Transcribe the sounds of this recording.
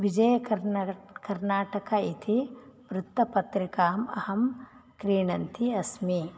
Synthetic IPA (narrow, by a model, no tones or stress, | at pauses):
ʋid͡ʒɐjɐk | kɐɾnaːʈɐkɐit̪ʰimɾut̪ːɐpɐt̪ɾikaːmɐ̰hɐm | kɾiːɳɐnt̪ʰiɐsmi